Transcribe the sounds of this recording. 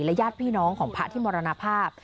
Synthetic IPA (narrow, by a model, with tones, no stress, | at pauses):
lɛ˦˥jaː˥˩t̪̚pʰiː˥˩nɔː˦˥ŋkʰɔː˩˦ŋpʰa˦˥t̪ʰiː˥˩mɔː˧ɾa˧na˧˥pʰaː˥˩p̚